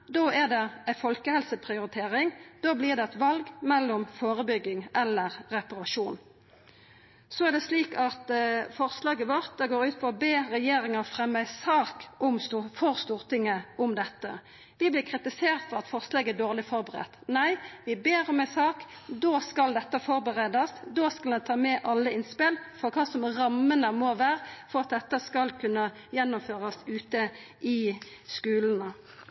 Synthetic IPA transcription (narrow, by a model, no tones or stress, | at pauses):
d̪oːæʁd̪ɛæɪfɔlkəhɛlsəpʰʁɪʊɾɪt̪ʰeːʁɪŋd̪oːblɪːʁd̪ɛɛt̪ʋɑlɡmɛlːɔmfoːɾəbʏɡːɪŋɛlːəʁːɛpɑɾɑʂuːn | sɔæʁd̪ɛsliːkɑt̪fɔʁslɑːɡəʋɔʁt̪̚d̪ɛɡoːɾʉːt̪̚pʰɔɔbeːɾɛjeːɾɪŋɑfɾɛmːæɪsɑːkʊmst̪ufɔʁst̪uːʁt̪ɪŋəʊmd̪ɛt̪ːə | ʋɪblɪʁkʰʁɪt̪ɪseːʁt̪fɔʁɑt̪fɔʁslɑːɡæd̪oːʁlɪfɔʁbəʁɛ̰t̪næɪʋɪbeːʁɔmæɪsɑːkd̪oːskɑld̪ɛt̪ːəfɔɾbəʁeːd̪ɑsd̪oskɑld̪ɛnt̪ʰɑːmɛʔɑlːəɪnspɪlfɔʁkʰɑːsɔmʁɑmːənəmɔʋæːʁfɔʁɑt̪̚d̪ɛt̪ːəskɑlkʰʉnːə | jɛnːʊmføːʁɑsʉːt̪əʔɪskʉːlən̩ə